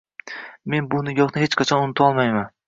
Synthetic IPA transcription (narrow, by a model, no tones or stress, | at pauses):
me̞nbʊnɪjɒχnɪhet͡ʃqʰɑt͡ʃʰɒnʊnɪt̪ʰɒlˠmajman